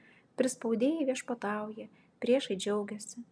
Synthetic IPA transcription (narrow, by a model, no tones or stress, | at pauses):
pʲɾʲɪspɐʊd̪ʲeːjɛɪʋʲiɛʃpɐt̪ɑˑʊjɛ | pʲɾʲiɛʃɐɪd͡ʒʲɛʊɡʲɛsʲɪ